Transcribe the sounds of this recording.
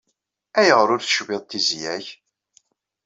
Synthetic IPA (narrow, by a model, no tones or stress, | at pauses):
æjəʁɾʊɾθʃvɪðˤt̪ːizjæç